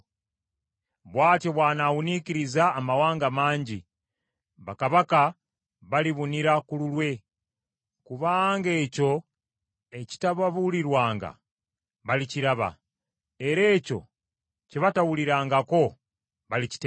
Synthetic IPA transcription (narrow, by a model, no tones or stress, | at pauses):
βwaːceβwaːnawuniciɾizaːmawaːŋɡamaːɲɟi | βakaβaka | βaliβuniɾakululwe̞ | kuβaːŋɡe̞ːco̞ | eci̥taβaβuliɾwaːŋɡa̰ | βaliciɾaβa̰ | eɾe̞ːco̞̰ | ceβatawuliɾaːŋɡako̞ | βalici̥te